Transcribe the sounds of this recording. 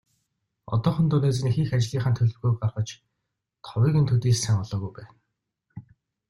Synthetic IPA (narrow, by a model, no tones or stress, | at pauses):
ɔ̰t̪ɔːχɞ̆nt̪ʊnæːt͡s̆ːnixiːxat͡ɕɮiːχaːnt̪ʰɵɮɵ̆wɣuːjɢarʁə̆t͡ɕ | t̪ʰɔwiːɣɘnt̪ʰɵt̪iːssaŋɔɮɔːɣujpæːn